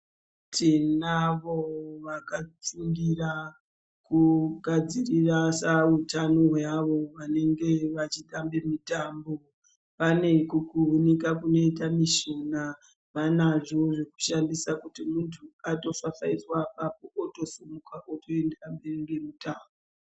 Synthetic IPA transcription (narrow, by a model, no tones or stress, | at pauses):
tʰinaʋo̞ʋakat͡suŋɡira | kuɡʱad͡zirirasautanoɦaʋo̞ʋane̞ŋɡe̞ʋat͡ʃiɗambe̞mutaːmbo | pane̞kukuunikakuno̞itamiʃo̞na | ʋanaʐo̞ʐe̞ku̥ʃandisakutimuntʰuato̞fafaiswapap̚oʔoto̞somukaʔotʰo̞e̞ndamberiŋɡe̞mutʰaːmbo